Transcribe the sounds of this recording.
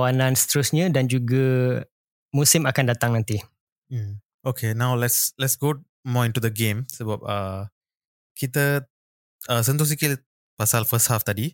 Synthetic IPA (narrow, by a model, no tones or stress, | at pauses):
awanãnsə̥t̪əɾusɲə̃dand͡ʒuɡa | musɪmakandat̪aŋnãnt̪i | m̩ | okʰenawlɛtslɛtsɡo | mɔĩntud̪əɡẽmsəbap̚ə | kit̪ə | əsə̃nt̪us̬ikil | pasalfəsthaft̪adi